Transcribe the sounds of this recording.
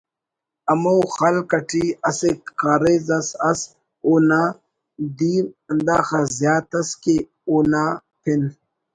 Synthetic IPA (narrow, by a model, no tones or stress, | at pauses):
ɐmowxɐlkɐʈʰiɐsekaːɾezɐsɐs | onaː | d̪iːmɐnd̪aːxɐzjaːt̪ɐske | oːna | pʰin